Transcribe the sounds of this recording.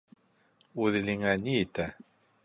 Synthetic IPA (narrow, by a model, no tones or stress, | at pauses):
uðliŋæniːt̪æ